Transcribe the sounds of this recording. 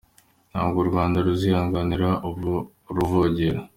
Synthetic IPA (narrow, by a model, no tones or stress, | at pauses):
n̥ha̰ːbɡoɾɡwaːndaɾuzihaːŋɡaniɾau | ɾuvoɟeɾo